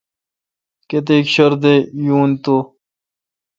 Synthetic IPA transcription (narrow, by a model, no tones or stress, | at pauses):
ket̪̬eːkɕɐɾd̪ejuːnt̪o